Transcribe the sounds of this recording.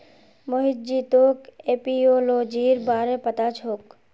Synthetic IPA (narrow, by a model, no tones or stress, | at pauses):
moɦɪt̪̚d͡ʒiːt̪oːkeːpioːloːd͡ʒiːɾbaːɾepət̪at͡ʃʰoːk